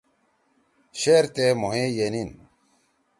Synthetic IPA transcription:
ɕeɾt̪emoɦejenin

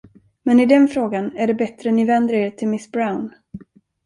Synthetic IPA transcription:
mɛnɪd̪ɛnfɾoːɡanæɖɛbɛt̪ɾənɪvɛnd̪ɾaeːɾt̪ʰɪlmɪsbɾawn

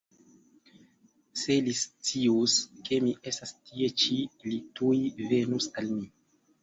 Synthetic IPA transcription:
se̞list͡siuske̞miʔe̞stastie̞t͡ʃilitujve̞nusalmi

